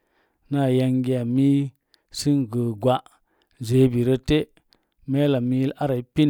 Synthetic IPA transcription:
na˦˨ja˧ŋɡi˦a˨mi˦ | si˦ŋɡə˨ɡwa˨ | ze˨˦bi˨ɾə˦te˦ | me˦la˨mi˦ji˦la˦ɾa˨i˦pi˦n

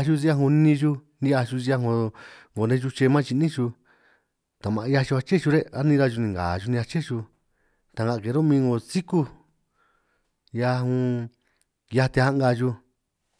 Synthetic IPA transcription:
a˧ʃu˧zi˧ja˧ɦũ˧nĩ˧ʒu˧ | nĩ˧˦a˧ʃu˧t͡ʃi˧a˧ɦõ˧ŋɡo˨nẽ˦˧ʒu˧t͡ʃe˧mã˦t͡ʃi˧nĩ˦t͡ʃu˧ | t̪a˨mã˧˨˧ja˧t͡ʃu˧a˧t͡ʃe˦t͡ʃu˧ɾe˦a˦nĩ˧ɾa˧ʒu˧nĩ˨ŋɡa̰˨ʒu˧nĩ˧a˧t͡ʃe˦t͡ʃu˧ | t̪a˨˧ŋɡa˧˨˧ke˨˦ɾo˦mĩː˧ŋɡo˧˨t͡si˦ku˦ | ja˧ɦũ˧ | ja˧t̪e˧ha˦ŋɡa˧ʒu˧

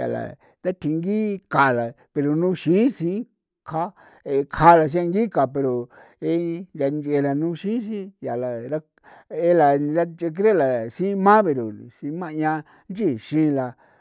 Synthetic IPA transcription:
ja̰˨la̰˨ | t̪a˦t̪ʰi˧ŋɡi˦ka˨la˨ | pe˧ɾo˨nũ˧ʃĩ˨˦sĩ˧˦ | kʰa˦ | e˧kʰa˧˦la˨s̬ĩ˦a˧ŋɡi˦ka˨pe˧ɾo˨ | e˧nd͡ʒa˧nd͡ʒe˧la˨nũ˧ʃĩ˦s̬ĩ˦ja˨la˨ɾa˧ | e˧la˨ɾa˦t͡ʃe˧k̬ɾe˦˨la˨sĩ˦mã˦βe˧ɾo˨sĩ˧˦mã˦˧ɲã˧ | nd͡ʒi˦˨ʃĩ˦˧la˧

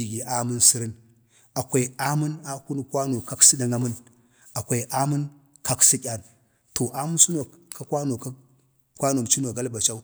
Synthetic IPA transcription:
i˨ɡi˨ʔa˦mu˦nsi˦ɾi˦n | a˨kʷa˨i˨a˦mu˦na˦ku˦n˨kwa˦no˨ka˦ksi˦ɗa˨ŋa˦mu˦n | a˨kʷa˨i˨ʔa˦mu˦n | ka˦ksi˦kʲa˨n | to˨ʔa˦mu˦n˦su˦no˨ka˦kʷa˦no˨k | kʷa˦no˨m˨t͡ʃi˦no˨ɡa˦lba˨t͡ʃa˦u˦

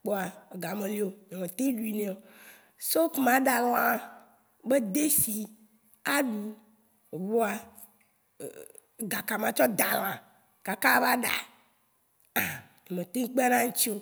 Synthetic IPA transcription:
k͡po˦a˨e˨ɡa˨mẽ˨li˨o˨m˨ɔ̃˨mẽ˨t̪e˦ɖu˨i˨nẽ˨˦o˨ | so˦kmã˨˦ɖa˨lɔ̃˦a˨ | be˦d̪e˦si˨ | a˦ɖu˨ | e˨βo˦a̰˨ | ɡa˨ka˨mã˨t͡ʃɔ˦d̪a˨lɔ̃˨a˨ | ka˨ka˦va˦ɖa̰˨ | a˨ | m˨ɔ̃˨mẽ˨t̪e˦ŋ˦k͡pe˦a˦nã˦ŋ̩˦t͡ɕi˦o˦

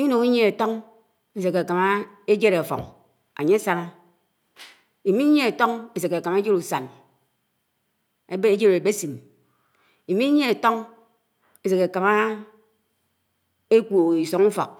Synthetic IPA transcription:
i˦no˨ŋi˦ɲe˦e˨to˦ŋ | e˦se˨ke˨ka˨ma˦e˦d͡ʒe˦ɾe˨a˨fo̰˨ŋ | a̰˨ɲe˦sa˦na˦ | i˨mi˦ɲe˦e˨to˦ŋe˦se˨ke˨ka˨ma˦e˦d͡ʒe˦ɾu˨sa˨n | e˦bd͡ʒe˦ɾe˨be˦si˨m | i˨mi˦ɲe˦e˨to˦ŋ | e˦se˨ke˨ka˨ma˦ | e˦kʷu˨i˨so˨ŋu˦fo̰˨k̚

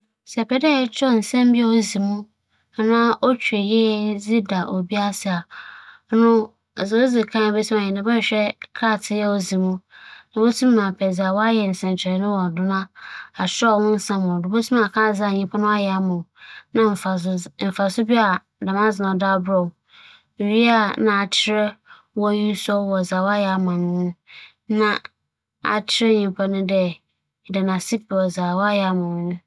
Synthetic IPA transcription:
sɛ˨pʰɛ˨˦dɛ˦t͡ɕʰᶣɔ˦˨n̩˨sɛ̃˦m˦bɪ˦a˦o˨zi˨mũ˦ | a˨nãː˦o˦t͡ɕʰᶣu˨e˨jɛ˦d͡zi˦da˨ʔo˨bi˦a˦sɪ˨a˨˦ | nʊ̃˦˨ | zɪ˨o˦zi˨kʰã˦˨be˦tʰũ˦mã˨jɛ˨nã˨bɛ˦ɕᶣɛ˦kʰɾa˦˨tʰɪ˦jɛ˦o˨zĩ˨mũ˦nʊ̃˨bo˦tʰũ˦mː˦ã˨pʰɛ˨d͡za˨wɔ˦a˦jɛ˨n̩˨sɛ̃˨n˨t͡ɕʰᶣnʊ̃˦wɔ˨dʊ˦nã˦a˨sᶣwʊ̃˦n̩˦sã˦mɔ̃˨dʊ˨bo˦tʰũ˦m˦ã˨kʰã˦˨za˦˨ɲĩ˦pʰa˦nʊ̃˦a˦jɛ˨a˦mʊ̃˨nã˦m̩˨m̩˨fa˨sʊ˦bi˦a˨ | da˨mã˦zɪ˨nã˨da˦bɾɔ˨ | ɥi˦a˦˨nã˨a˨t͡ɕʰɪ˦ɾɛ˦ | wɔ˦ɲĩ˦sɔ˦wɔ˨zaː˨wɔ˦a˦jɛ˨a˨mã˨nʊ̃˦nʊ̃˦ | nã˦ | a̰˨t͡ɕʰɪ˦ɾɛ˦ɲĩ˨mpʰa˦nʊ̃˦dɛ˦˨ | dɪ˨nã˨si˦p̚i˨ɔ˨za˨wɔ˦a˦jɛ˨a˨˦mã˨ñ˨nʊ̃˦

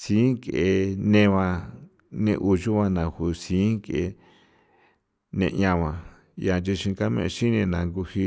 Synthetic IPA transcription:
si˦ŋke˨e˧nẽ˦˧βã˧ | nḛ̃˧ʔu˧ʒu˦βã˧nã˨hu˨sĩ˨˦ŋke˧˨˧ | nḛ̃˧ɲã˧βã˧ | j̰a˨˧nt͡ʃi˧ʃĩ˧ka˦mḛ̃˧ʃi˦nẽ˧nã˨˧ŋɡu˧hi˧

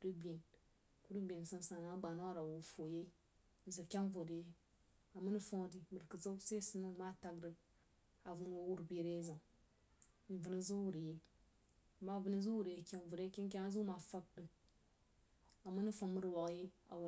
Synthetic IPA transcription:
ɾi˦bi˨e˨n | ku˦ɾi˦be˨n˨sa˦n˦sa˨na˨˦ɡ͡ba˨na˦a˦˨ɾa˨wo˨fo˨je˦ | n̩˨zɨ˨kʲa˦nvo˨di˨je˦ | a˨mɨ˦nɨ˦fa˦di˨mɨ˨ɾkɨ˨zo˦se˦sɨ˦nɨ˦˨ma˦ta˨ɡɾɨ˨˦ | a˨vɨ˨˦n˦wo˦wu˦ɾbe˨ɾe˦za˨ | n̩˨vɨ˨nɨ˦zu˦wu˨ɾi˨je˦˨ | ma˨vɨ˨nɨ˦zu˦wu˨ɾje˨kʲa˦nvu˨ɾe˦ki˦n˦k̬a˦a˦zu˦ma˨fa˦k̚dɨ˨ | a˨mɨ˦nɨ˦fa˦ŋ˦mɨ˦ɾwa˨kje˦a̰˨

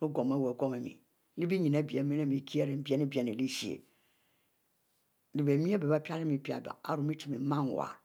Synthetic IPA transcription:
ɾʊ˦ɡɔ˨mɛ˦˨wɛ˨ɡɔ˦me˨mḭ˨ | li˦bi˦ɲĩ˨na˦bi˨ɛ˨mi˦ne˦˨mi˨kʰi˦ɛ˦ɾe˨˦bi˨ɛ˦nĩ˦bi˨ɛ˨nĩ˨li˦si˨ḛ˨ | di˨be˨mĩ˦ɛ˦bɛ˨ba˦pʰa˦ɾɛ˦mi˨pi˦˨a̰˨ba̰˨a̰˦ɾu˨mi˦tʰi˨mi˨˦mã˦n˨wa̰˨

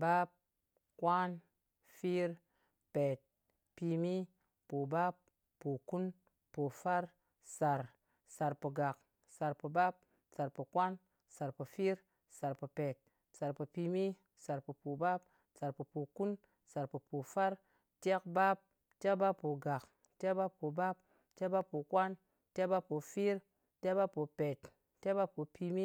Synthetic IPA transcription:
ba˦p̚ | kwa˦n | fi˦ɾ | pe˨t̚ | pi˧mi˦ | po˨ba˦pː | o˨ku˦n | po˨fa˦ɾ | sa˨ɾ | sa˨ɾpə˨ɡa˨k | sa˨ɾpə˨ba˦p̚ | sa˨ɾpə˨kwa˦n | sa˨ɾpə˨fi˦ɾ | sa˨ɾpə˨pe˨t̚ | sa˨ɾpə˨pi˧mi˦ | sa˨ɾpo˨po˨ba˦p̚ | sa˨ɾpə˨po˨ku˦n | sa˨ɾpə˨po˨fa˦ɾ | te˦k̚ba˦p̚ | te˦kba˦pːo˨ɡa˨k | te˦kba˦pːo˨ba˦p̚ | te˦ba˦pːo˨kʷa˦n | te˦ba˦pːo˨fi˦ɾ | te˦ba˦pːo˨pe˨t | te˦ba˦pːo˨pʰi˧mi˦

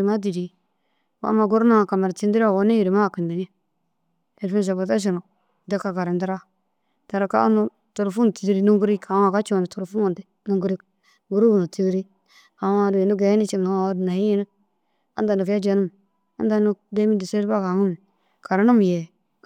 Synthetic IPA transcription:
ma˦di˨di˨ | wa̰˦ma˨ɡo˦ɾna˦ŋa˨ka˨ma˨ɾti˦ndi˦ɾa˦˨wo˦ne˦ji˨ɾi˨ma˦˨ki˨ndi˨ɲi˦ | e˨lfi˦ns̬a˨ka˨t̬a˦ʃ̬i˨no˨ | da˦kːa˨ka˨ɾa˨ndi˦ɾa˦ | ta˨ɾa˨ka̰˦u˦nu˦ | to˨ɾfu˦n˨ti˨˦di˦ɾi˦nu˦ŋɡu˦ɾi˦ka˨˦ŋa˨ka˦t͡ʃu˦˨ni˨to˨ɾfu˦mu˨nti˦ | nu˦ŋɡu˦ɾi˦k | ɡu˦ɾu˦u˨nu˨ti˦di˦ɾi˦ | ka˨˦a˨di˨nu˦ɡe˨˦ni˦t͡ʃi˨m˨na˨a˨˦dna˨hi˦ji˦nu˦ | a̰˦nda˨nu˨fja˦d͡ʒe˦nu˦m˨ | a˦nda˦nu˦de˦mi˦di˨se˦ɾba˦ka˨ŋu˦m˨ | ka˨ɾa˦nu˦m˨je˨

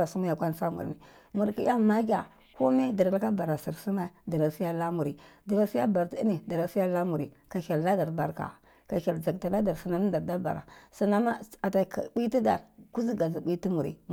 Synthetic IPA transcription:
a˨su˦mu˦ja˨kʷa˦n˦sa˦mṵ˨ɾni˨ | mu˨ɾki˦ja˦ma˦ɡʲa˨ | ko˦me˦da˨ɾlka˦ba˨ɾa˨si˨ɾsu˦ma˦da˨ɾa˨si˦ja˦la˦mu˨ɾi˨da˨ɾa˦si˦a˦ba˨ɾti˦ni˨da˨ɾa˨˦si˦ja˦la˦mu˨ɾi˨ka˨ʃa˨lla˦da˨ɾba˨ɾka̰˨ | ka˨ʃa˨ld͡za˨kta˨la˦da˨ɾsi˨na˦n˦da˨ɾda˦ba̰˨ɾa̰˨su˨na˦ma˦a˨ta˨kbi˦ti˦da̰˨ɾku˦zi˦ɡa˨zi˨bi˦ti˦mu˨ɾḭ˨

